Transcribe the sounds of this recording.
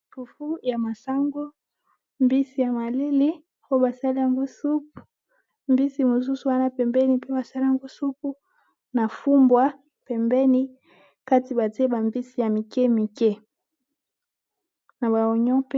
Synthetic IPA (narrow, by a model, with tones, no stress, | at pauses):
fu˨fu˦ja˨ma˨sa˦ŋɡo˦ | mbi˦si˨ja˨ma˨li˦li˦ | ko˦ba˨sa˦li˦ja˨ŋɡo˦su˦p̚u̥˨ | mbi˦si˨mo˨s̬u˦su˨wa˦na˦pɛ˨mbɛ˦ni˨pe˦ba˨sa˦li˦a˨ŋɡo˦su˦p̚u˦ | na˨fu˦mbwa˦ | pɛ˨mbɛ˦ni˦ | ka˦ti˨ba˨te˦ba˨mbi˦si˨ja˨mi˨kɛ˦mi˨kɛ˦ | na˨ba˨ɔ˨ɲɔ̃˦pe˦